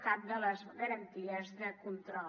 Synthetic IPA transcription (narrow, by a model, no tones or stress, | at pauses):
kap̚d̪ələzɣəɾənt̪iəzðəkunt̪ɾɔ